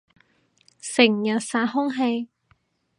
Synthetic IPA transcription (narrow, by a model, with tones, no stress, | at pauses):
sɪ˨˩ŋjɐ˨t̚saː˧˥ɦʊ˥ŋɦe˧j